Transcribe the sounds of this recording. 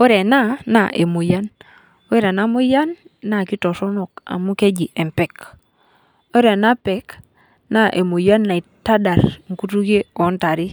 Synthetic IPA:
o˦ɾe˨na˦˨na̰˨ʔe˨mo˨ja˦n | o˦e˦ɾa˨na˦mu˦ja˦nː | a˨ki˦to˨sɔ˦no˨ka̰˨mu˦ke˦d͡ʒi˨ʔe˨mpɛ˨k | o˦ɾe˨na˦pɛ˨˦k | na˦˨ʔe˨mo˨ja˦nːa˨i˨ta˦da˨ɾŋ̩˨ku˦tu˦ke˦o˨˦nta˨ɾi˦

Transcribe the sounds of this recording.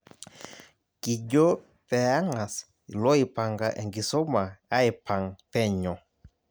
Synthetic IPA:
ki˨ɟɔ˦ | pɛ˨a˦ŋa˨s | i˨lɔ˦i˨pa˨ŋɡa˨ʔɛ˨ŋɡi˨sɔ˦ma˨a˦i˨pa˨ŋpɛ˦˨ɲɔ˨

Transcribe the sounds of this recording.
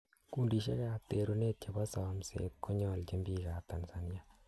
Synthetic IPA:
kuː˦ndi˨ʃ̬e˦kate˨ɾu˦ne˦t̚t͡ʃe˨bɔ˦sɔː˨msḛ˨t̚kʰo˦ɲɔ˨lt͡ʃe˦mbiːka˨ta˨nsa˨ni˦a

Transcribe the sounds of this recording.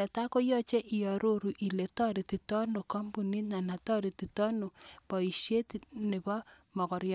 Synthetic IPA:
ɛ˨ta˦ko˦jɔ˦t͡ʃe˦ʔi˨jɔ˨ɾo˦ɾu˨ʔi˨le˨tɔ˦ɾi˨ti˨tɔ˦no˨kɔ˦mbu˨ni˦na˨na˨tɔ˦ɾi˨ti˨tɔ˦no˨pɔ˨i˨ʃe˦ti˨nɪ˨bɔ˦ | mɔ˨kɔ˨ɾjɔ˦

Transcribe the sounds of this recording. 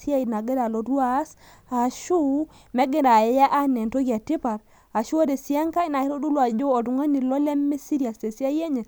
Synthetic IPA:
si˦a˦i˨na˨ɡe˦da˨lo˨du˦a˦˨˦s | a˨ʃu˦ | me˦ɡe˦da˨˦ja˦ʔa˦ne˨nto˦ɡi˨a˨ti˦pa˨ɾ | a˨ʃu˦o˦de˨si˦ja˦ŋka˦i˦na˨i˦ɾo˦du˦lu˨a˨d͡ʒo˦o˨du˨ŋa˦ni˨lo˦le˦mːe˦si˦ɾi˨a˨se˨si˦a˦je˦ɲe˨

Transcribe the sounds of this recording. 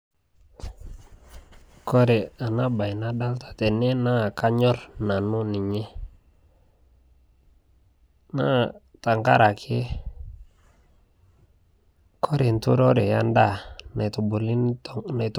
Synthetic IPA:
kɔ˦ɾɛ˨a˨na˦ba˨jna˦da˦ltḁ˨tɛ˨nɛ˦na˦˨ka˦ɲɔ˦ɾna˨nu˦ni˨ɲɛ˦ | na˦ | ta˨ŋka̰˦ɾa˨kʰɪ˦ | kʰɔ˦ɾe˨ntu˦ɾɔ˦ɾe˨ja˦nda˦˨n˨tbu˨li˦˨na˨t

